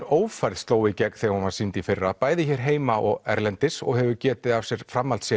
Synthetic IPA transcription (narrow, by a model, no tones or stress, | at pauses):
oːwfajɾðst̪oːwɪcɛk̪θɛɣahunvaɾ̥sint̪ifɪrːapaːjðɪçɛɾ̥ɦeːjmaʔɔɣɛ̰ɾlɛnt̪ɪsɔ̰ɣhɛvʏcɛːt̪ɪðav̥sjɛɾ̥fɾamːalt̪sjɛ